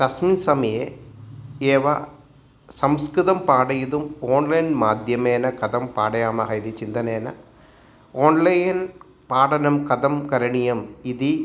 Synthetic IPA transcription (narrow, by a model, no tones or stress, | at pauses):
t̪ɐsmiːnsɐmɐje | eːʋa | sɐmskɾiðɐmpaːɽɐjiðumoːɳlɐjnmaːd̪ʱjɐmeːnɐkɐd̪ɐmpaːɽɐjaːmɐɣɐiðit͡ɕind̪ɐneːnɐ̰ | oːnlɐjn | paːɽɐnɐmkɐðɐmkɐɾɐɳijɐmiði